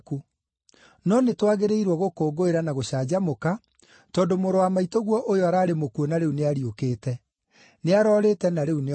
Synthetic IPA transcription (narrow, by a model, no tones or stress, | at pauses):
ku | nɔnetwaɣeɾeiɾwɔɣokoːɡoeɾanaɣoɕaːd͡ʑamoka | tɔːndomoɾowamaitoɣwɔʔojoaɾaːɾemokuonaɾeuneaɾiokeːtɛ | neaɾɔːɾeːtɛnaɾeune